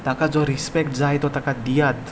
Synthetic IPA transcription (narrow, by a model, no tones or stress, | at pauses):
t̪akad͡zɔɾispɛkʈd͡zajt̪ɔt̪akad̪ijat̪